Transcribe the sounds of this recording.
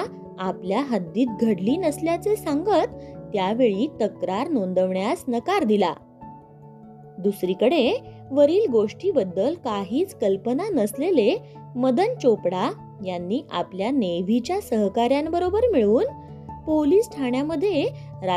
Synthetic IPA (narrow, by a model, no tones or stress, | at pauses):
apljaɦad̪ːiːt̪̚ɡʱəɽliːnəsljat͡sesaŋɡət̪ːjaʋeɭiːt̪əkɾaɾnond̪əʋɳjasnəkaɾd̪ila̰ | d̪usɾiːkəɽe | ʋəɾiːlɡoʂʈiːbəd̪ːəlkaɦiːt͡skəlpənanəslele | məd̪ənt͡ɕopɽa | janːiːʔa̰pljaneʋit͡ɕjasəɦkaɾjanbəɾobəɾmiɭuːn | poliːsʈʰaɳjaməd̪ʱːjeɾa